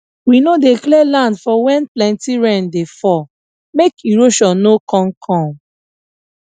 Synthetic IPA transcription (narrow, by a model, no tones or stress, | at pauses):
winodeklɛlãndfɔwɛ̃nplɛ̃ntiɹɛ̃ndefɔ | mekiɹoʃɔ̃nnokɔ̃nkʰɔ̃m